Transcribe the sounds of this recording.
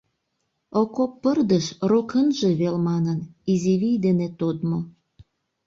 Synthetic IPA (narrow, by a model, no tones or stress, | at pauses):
okopːərd̪əʃrokənʒeβelmɑnəniziβijd̪enet̪od̪mo